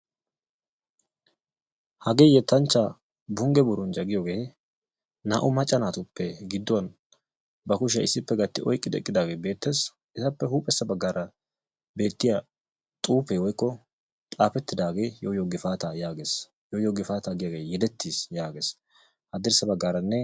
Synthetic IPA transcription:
hɐɡeːjɛt̪ːɐnt͡ʃːa | bʊŋɡɛbʊɾʊnd͡ʒɐɡɪjoːɡe̞ː | nɐ̰ːʔʊmɐt͡ʃʼːɐnaːt̪ʊpːɛɡɪd̪ːʊwɐn | bɐkʊʃ̬ɐɪsːɪpːɛɡɐt̪ːɪʔɔjkʼːɪd̪ɛ̰kʼːɪd̪aːɡe̞ːbe̞ːt̪ːeːs | ʔɛt̪ɐpːɛhuːpʼɛsːɐbɐɡːaːɾɐ | be̞ːt̪ːɪjɐ | t̪ʼuːpeːwɔjkːɔ | t̪ʼaːfɛt̪ːɪd̪aːɡe̞ːjojoɡɪfaːt̪ajaːɡes | jojoːɡɪfaːt̪aːɡɪjɐɡeːjɛd̪ɛt̪ːiːsjaːɡeːs | hɐd̪ɪɾsɐbɐɡːaːɾɐnːɛ

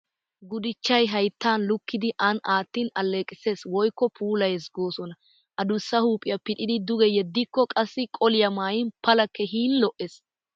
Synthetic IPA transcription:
ɡʊd̪ɪt͡ʃːɐjɦɐjt̪ːaːnlʊkːɪd̪ɪʔɐnaːt̪ːiːnɐlːeːkʼɪse̞ːswɔjkːɔpʰuːlɐjɛsɡoːsɔnɐ | ʔɐd̪ʊsːɐhuːpʼːɪjɐpɪᶑɪd̪ɪd̪ʊɡɛjɛd̪ːɪkːɔkʼɐsːɪkʼɔlɪjɐmaːjɪnpɐlɐkːɛɦiːnlɔʔes

